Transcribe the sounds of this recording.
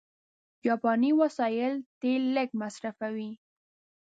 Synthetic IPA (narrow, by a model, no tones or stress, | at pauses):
jɑpɑniwasɑjɪlt̪elːəkmasɾafawi